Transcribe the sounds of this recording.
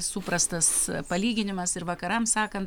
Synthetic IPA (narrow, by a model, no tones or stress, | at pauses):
suːpɾɐst̪ɐspɐlʲiːɡʲɪnʲɪmɐsɪɾʋɐkɐɾɐmsɑːkɐnt̪